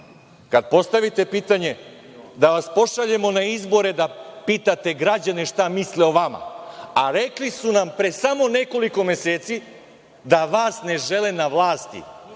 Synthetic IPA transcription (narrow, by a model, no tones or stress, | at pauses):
kad̪̚po̞st̪aʋit̪e̞piːt̪aɲe̞ | d̪aʋaspo̞ʃaʎe̞mo̞naizbo̞ɾe̞d̪apiːt̪at̪e̞ɡɾad͡ʑaneʃt̪amisleoʋama̰aɾeklisunampɾesamo̞ne̞ko̞liko̞me̞seːt̪si | d̪aʋaːsne̞ʒe̞lenaʋlˠaːst̪ḭ